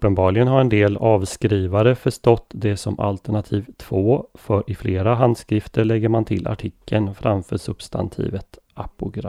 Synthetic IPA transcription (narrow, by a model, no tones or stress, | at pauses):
ɵpːənbɑːɭɪɡənɦaɾɛnd̪eːlɑːvskɾiːvaɾəfœʂʈɔt̪ːd̪ɛsɔma̰lt̪əɳat̪ʰiːvt̪ʰvoːfœɾɪfleːɾaɦand̪skɾɪft̪ʰəɾɭɛɡːəɾmant̪ʰɪlʔa̰ʈʰɪkʰːənfɾʔamfœːʂɵb̥st̪a̰nt̪ʰḭːvət̪ | apʊɡɾa